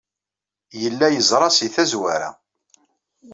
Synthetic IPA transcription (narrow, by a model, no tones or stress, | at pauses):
jəlːæjəzˤɾˤɑsiθæzwæɾa̰